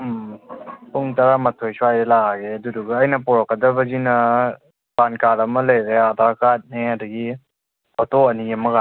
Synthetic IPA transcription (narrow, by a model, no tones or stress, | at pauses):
mpuŋtaɾamɐtʰojsuajɾelaaɡeɐduduɡɐːjnɐpɔɾɐkːɐdɐbɐɡinɐ | pankaɾɐmɐlɐjɾeadakat̚neadɐɡi | ɔtoɐniɐmɐɡa